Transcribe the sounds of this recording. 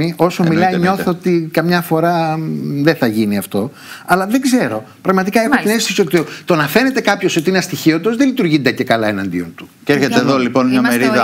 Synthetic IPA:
io̞somilɐiɲo̞θoot̪ikɐmɲɐfo̞ɾɐðeθɐʝiniɐft̪o̞ | ɐlɐðe̞ɡze̞ɾo̞ | pɾɐɣmɐt̪ikɐe̞xot̪ine̞st̪osio̞t̪it̪o̞nɐfe̞ne̞t̪e̞kɐpço̞so̞t̪iineɐst̪içio̞t̪ozðelit̪uɾʝind̪ecekɐlɐenɐnd̪ḭont̪u̥ceɾçet̪eːðoliponmɲɐmeɾiðɐ

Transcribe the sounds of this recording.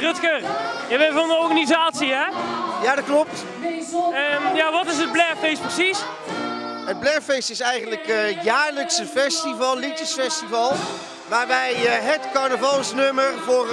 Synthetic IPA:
rɵtkərjaʋɛvɑndəɔɹχanizaːtsiɦɛjaːdɑt̚klɔp̚t | mjaːʋɑtɪs̬əd̚blɛɹfejstprəsis | ɦəd̚blɛɹfejstɪsɛjχənləkjaːɹləksəfɛstivɑlˠlitəsfɛstivɑlˠ | ʋaːɹbɛjɦətkɑɹnəvɑlˠsnɵmərvʊːr

